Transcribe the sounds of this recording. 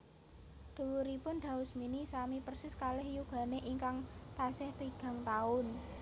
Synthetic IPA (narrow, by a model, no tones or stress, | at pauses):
d̪̥ṳwuɾipʊnɖ̪̥a̤ʊsminisamipərsɪskalɛhjuɡ̥a̤neʔiŋkaŋt̪asɛht̪iɡ̥a̤ŋt̪aʊn